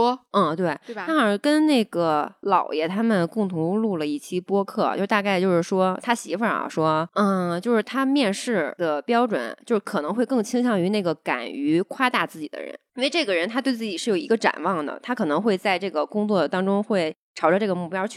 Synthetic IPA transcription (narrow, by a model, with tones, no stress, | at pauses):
t̪we˥˩ɪt̪ʰkə˥nne˥˩ɪɡə˩lɑ˨˩ʊjɛ˥˩t̪ʰa˥mə˨nkʊ˥˩ŋt̪ʰʊ˧˥ŋlu˥˩lə˩i˥˩t͡ɕʰi˥pwɔ˥kʰɤ̰˥˩t͡ɕjɻ̩˥˩t̪a˥˧ka˥˧ɪt͡ɕjo˥˧ʊʂɻ̩˥˩ʂwɔ˥t̪ʰa˥ɕi˧˥fə̰˞˨˩ɐ̰˧˩ʂwɔ˥ə˥˧t͡ɕjo˥˧ʊʂɻ̩˥˩t̪ʰa˥mjɛ˥˧nʂɻ̩˥˩d̪ə˩pjɑ˥ʊʈ͡ʂwə̰˨˩˦nt͡ɕjo˥˧ʊʂɻ̩˥˩kʰɤ˨˩nɤ˧˥ŋxwe˥˧ɪkɤ˥˩ŋt͡ɕʰi˥ŋɕʰjɑ˥˩ŋy˧˥ne˥˩ɡə˩ka̰˨˩ny˧˥kʰwa˥t̪a˥˧t͡sɹ̩˥˩t͡ɕḭ˨˩d̪ə̰˦ɻə̰˧˥n˥nwe˥˧ɪʈ͡ʂɤ˥˩ɡə˩ɻə˧˥nt̪ʰa˥t̪we˥˧ɪt͡sɹ̩˥˩t͡ɕi˨˩ʂɻ̩˥˩jo˨˩ʊi˧˥ɡə˧ʈ͡ʂa̰˨˩nwɑ˥˩ŋd̪ə̰˩t̪ʰa˥kʰɤ˨˩nɤ˧˥ŋxwe˥˧ɪt͡sa˥˧ɪʈ͡ʂɤ˥˩ɡə˩kʊ˥ŋt͡swɔ˥˩t̪ɑ˥ŋʈ͡ʂʊ˥ŋxwe˥˩ɪʈ͡ʂʰɑ˧˥ʊʈ͡ʂə˧ʈ͡ʂɤ˥˩ɡə˩mu˥˩pjɑ˥ʊ